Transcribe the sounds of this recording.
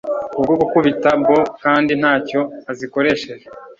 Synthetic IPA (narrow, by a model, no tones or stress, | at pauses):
ubɡoɡukuβitabo̞kaːndin̥haːco̞aziko̞ɾe̞ʃe̞ʒe